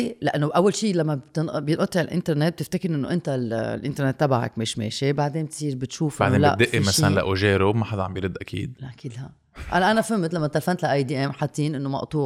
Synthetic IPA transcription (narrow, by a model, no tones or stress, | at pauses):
laʔanːoʔawːalʃiːlamːabt̪ɪnʔbjɪnʔɑt̪ˤːiʕɪlʔɪ̰nt̪eɾnet̪̚b̚t̪ɪft̪akɪɾʔɪnːoʔɪnt̪allʔɪ̰nt̪eɾnet̪ːabaʕa̰kmiːʃmḛːʃibaʕd̪eːmt̪sˤiːɾbɪt̪ʃuːfʔaʕnːola̰ʔd̪ɪʔːimalanla̰ʔoʒeːɾomaħad̪aʕa̰mbjɾɪd̪ːʔakʰḭːd̪̚laʔakiːd̪haʔ | ʔa̰laʔanafɪmːt̪lamːʔt̪alfant̪laʔajd̪iːʔeːmħat̪ˤːiːnʔɪnːomɑ̰ʔt̪ˤuː